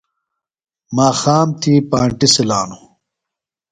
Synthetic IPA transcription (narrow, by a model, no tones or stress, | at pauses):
maːxaːmt̪ʰiːpaːɳʈisilaːnu